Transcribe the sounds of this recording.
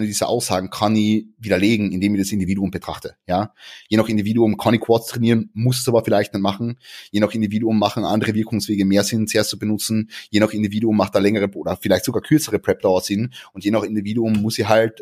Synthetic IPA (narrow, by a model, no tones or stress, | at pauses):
nədiːzɐʔa̰ʊsz̥aːɡŋ̩kʰanɪviːɾɐleːɡŋ̩ɪndeːmɪçd̥asɪndiviːduʊmbətʁ̥aχtəjaːjeːnaχɪndiviːduʊmkʰaniːkʰw̥ɔtstʁ̥ɛniːʁənmʊsəsaːbɐfɪlaɪçtnanmaχn̩jeːnaχɪndiviːduʊmːaχn̩ʔa̰ndəʁəvɪɐkʊŋsv̥eːɡəmeːɐzɪnt͡sɛːɐst͡subənʊt͡sn̩jeːnaχɪndiviːduʊmːaχt̚d̥aːlɛŋəʁ̞əʔoːdɐfɪlaɪçtz̥oɡaːkʰʏɐt͡səʁəpʁ̥ɛp̚d̥aʊɐz̥ɪnʊntjeːnaχɪndiviːduʊmːʊsiːɦalt